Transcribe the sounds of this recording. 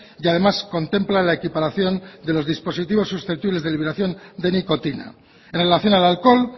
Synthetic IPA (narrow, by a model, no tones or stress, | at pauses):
jað̞e̞masko̞nt̪e̞mplalaekipaɾaθjo̞nd̪e̞lo̞zðispo̞sit̪iβo̞sːusθep̚t̪iβle̞zðe̞liβeɾaθjo̞nd̪e̞niko̞t̪ina̰ | enre̞laθjo̞nalalko̞l